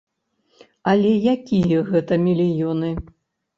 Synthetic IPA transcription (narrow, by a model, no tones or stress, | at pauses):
ɐlʲɛjakʲijɐɣɛt̪ɐmʲilʲijɔnɨ